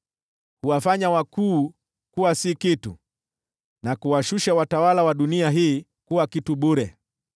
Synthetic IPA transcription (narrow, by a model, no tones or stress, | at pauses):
kuwafaɲawakuː | kuwasikitṵ | nakuwaʃuʃawatawalawaɗuniaɦiː | kuwakituɓuɾɛ